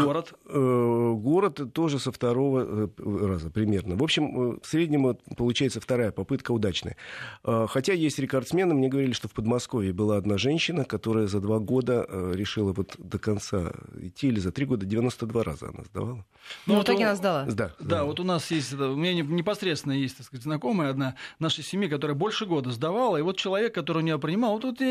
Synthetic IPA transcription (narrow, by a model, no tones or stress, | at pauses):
ɡoɾət̪əɡo̞ɾət̪t̪ːo̞ʐɨsəft̪ɐɾo̞vərazəpɾʲɪmʲe̞rnəvo̞pɕːɪmsɾʲedʲnʲɪmʊpəlˠʊt͡ɕæjɪt̪səft̪ɐɾajəpɐpɨt̪kəʊd̪at͡ɕnə̰jəəxɐtʲajesʲtʲɾʲɪkɐrt̪smʲe̞nɨmnʲe̞ɡəvɐɾʲilʲɪʂt̪o̞fpəd̪mɐsko̞vʲɪːbɨlˠaɐd̪naʐɛnʲɕːɪnəkɐt̪o̞ɾəjəzɐd̪vaɡo̞d̪əɾʲɪʂɨlˠəvo̞t̪d̪əkɐnt̪sa̰ɪ̰tʲːiːlʲɪzɐt̪ɾʲiɡo̞d̪ədʲɪvʲɪnost̪əd̪vaɾʔa̰zə̰ɐ̰na̰zd̪ɐ̰valˠə | nuvt̪oɡʲɐnazd̪ɐlˠazd̪ad̪avo̞t̪ʊnasjesʲtʲɛt̪əʊmʲɪnʲaɪnʲɪpɐsɾʲet̪st̪vɪnəjesʲtʲt̪ɐkskatʲznɐko̞məjəɐd̪nanaʂɨjsʲɪmʲjikɐt̪o̞ɾəjəbo̞lʲʂɨɡo̞d̪əzd̪ɐvalˠəivo̞t̪̚t͡ɕɪlˠɐvʲe̞kːɐt̪oɾɨɪjʊnʲɪjop̬ɾʲɪnʲɪmalˠvot̪vot̪